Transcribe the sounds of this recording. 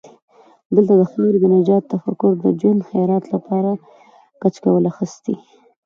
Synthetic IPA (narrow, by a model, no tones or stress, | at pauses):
d̪əlt̪ad̪əxeɾɡɪnad͡ʒɑt̪ːafakʊɾd̪əd͡ʒwand̪xajɑɾɑt̪lapɑɾa | kat͡ʃkawəlaxəst̪i